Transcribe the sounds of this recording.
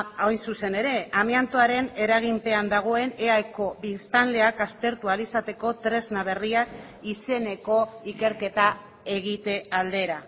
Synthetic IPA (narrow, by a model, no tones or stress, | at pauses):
ojnsuse̞ne̞ɾe̞amiant̪oaɾe̞ne̞ɾaɣ̞impe̞and̪aɣ̞o̞e̞ne̞ajko̞βist̪anle̞akast̪e̞ɾt̪ualisat̪e̞ko̞t̪ɾe̞znaβ̞e̞riak | ise̞ne̞ko̞ike̞ɾke̞t̪a | e̞ɣ̞it̪e̞ald̪e̞ɾa